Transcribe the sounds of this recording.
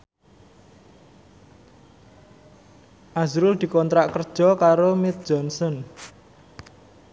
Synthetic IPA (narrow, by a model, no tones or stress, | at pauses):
ʔazɾʊld̪̥i̤kɔnt̪ɾaʔkərd̥ʒ̥ɔ̤kaɾomɪt̪̚d̥ʒ̥ɔnsɔn